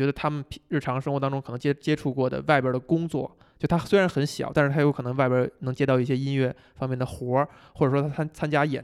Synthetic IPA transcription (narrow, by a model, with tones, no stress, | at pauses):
ɥɛ˧˥d̪ə˧t̪ʰa˥mə˨npʰɻ̩˥˩ʈ͡ʂʰɑ˧˥ŋʂɤ˥ŋxwt̪ɑ˥ŋʈ͡ʂʊ˥ŋkʰɤ˨˩nɤ˧˥ŋt͡ɕɛ˥t͡ɕjɛ˥ʈ͡ʂʰu˥˧kwɔ˥˩d̪ə̰˩wa˥˩ɪpjə˞˥˩d̪ə˩kʊ˥ŋt͡swɔ̰˥˩ | t͡ɕjo˥˩ʊ˩t̪ʰa˥swe˥ɪɻa˧˥nxə˧˥nɕjɑ˨˩˦ʊt̪a˥˧ʂ̩ɻt̪ʰa˥jo˥kʰnɤ˧˥ŋ˥wa˥˩ɪpjə˧˥nɤ˧˥ŋt͡ɕjɛ˥t̪ɑ˥˧ʊi˥˩ɕjɛ˥i˥nɥɛ˥˩ | fɑ˥ŋmjɛ˥˩nd̪ə˩xwɔ˧˥ | xwɔ˥˩ʈ͡ʂʂwɔ˥t̪ʰa˥t͡sʰa˥nt͡ɕja˥jɛ̰˨˩˦